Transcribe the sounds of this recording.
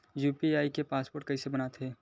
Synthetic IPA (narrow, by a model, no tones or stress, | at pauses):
juːpiaːikepaːspoːɾʈ̚kɐisebɐnat̪ɦɛː